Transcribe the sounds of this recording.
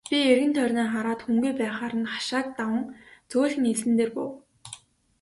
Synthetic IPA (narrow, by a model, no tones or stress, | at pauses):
pʲierɣɘ̆nt̪ʰœrʲneːχaɾaːt̪xuŋɡujpæːχaːɾə̆nχḁʃaːk̚t̪awə̆ŋt͡sʊːɮxniɮɘ̆nt̪eːrpʊ̰w